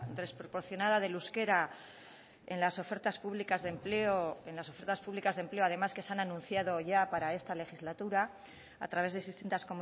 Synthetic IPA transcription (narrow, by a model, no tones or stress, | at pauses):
d̪e̞spɾo̞po̞ɾθjo̞naðað̞e̞luske̞ɾa | e̞̰nlaso̞fe̞ɾt̪aspuβlikazðe̞mpleoenlaso̞fe̞ɾt̪aspuβlikazðe̞mpleoaðe̞maske̞seananũnθjað̞oʝapaɾae̞st̪ale̞xizlat̪uɾa̰ː | t̪ɾaβe̞zð̞esðist̪int̪asko̞mu